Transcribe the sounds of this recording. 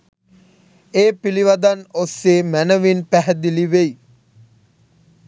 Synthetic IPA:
eːpiliʋad̪anosːeːmænəʋinpæɦɛd̪iliʋej

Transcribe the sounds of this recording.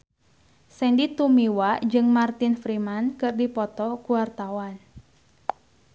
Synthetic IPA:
sɛndit̪umiwad͡ʒɨŋmart̪ɪnfɾimankɨrdipɔt̪ɔkuwart̪awan

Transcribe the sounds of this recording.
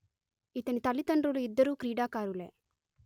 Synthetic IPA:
it̪ɐnit̪ɐlit̪ɐɳɖɾuluid̪ːɐɾuːkɾiːɖaːkaːɾulḛ

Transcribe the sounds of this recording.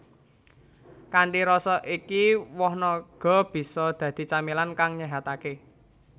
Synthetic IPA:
kaɳʈiɾɔsɔʔikiwɔhnɔɡ̥ɔ̤b̥i̤sɔd̪̥ä̤d̪̥i̤t͡ʃamilankaŋɲɛɦat̪ake

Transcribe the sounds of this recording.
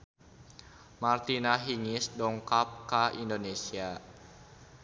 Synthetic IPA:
mart̪inaɦiŋisdɔŋkap̚kaʔindonesia

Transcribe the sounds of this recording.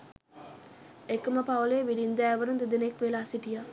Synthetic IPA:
ekɐməpaʋɐleːʋiɾind̪æːʋɐɾund̪ed̪inekʋelɐːsiʈijaː

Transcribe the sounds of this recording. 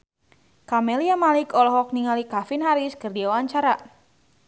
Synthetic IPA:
kamɛliamalɪkɔlɔɦɔk̚niŋalikafinɦaɾɪskɨrdiawaɲt͡ʃaɾa

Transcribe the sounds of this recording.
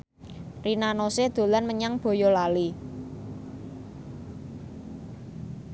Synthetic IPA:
rinanosed̪̥o̤lanməɲaŋb̥o̤jɔlali

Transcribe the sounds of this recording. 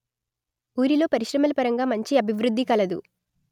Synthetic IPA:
uːɾilo̞ːpɐɾiʃɾɐmɐlɐpɐɾɐŋɡaːmɐɲt͡ʃiɐbʱiʋɾud̪ːikɐlɐd̪ṵ

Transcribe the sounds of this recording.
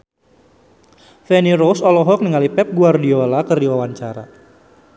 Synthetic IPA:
fɛniɾosɔlɔɦɔk̚niŋalipɛp̚ɡuardiolakərdiwawaɲt͡ʃaɾa̰

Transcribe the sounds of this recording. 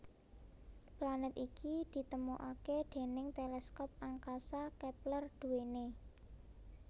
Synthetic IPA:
planət̪ikid̪̥i̤t̪əmuʔaked̪̥e̤nɪŋt̪elɛskɔp̚aŋkasakɛplərd̪̥ṳwene

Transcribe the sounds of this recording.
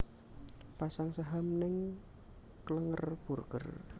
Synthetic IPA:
pasaŋsəɦamnɪŋ | kələŋərb̥urɡ̥ə̰r

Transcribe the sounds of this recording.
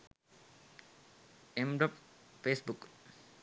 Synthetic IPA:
emɖɔpfeːsbuk

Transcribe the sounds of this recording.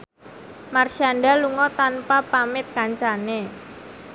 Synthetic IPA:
marʃianɖaluŋɔt̪anpapamɪt̪̚kaɲt͡ʃane

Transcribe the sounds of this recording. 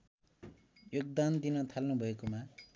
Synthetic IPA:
joɡ̚d̪and̪inʌt̪ʰalnubʱʌekoma

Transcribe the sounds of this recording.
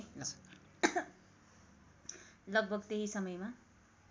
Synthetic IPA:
lʌɡ̚bʱʌɡt̪eɦisʌmʌjma

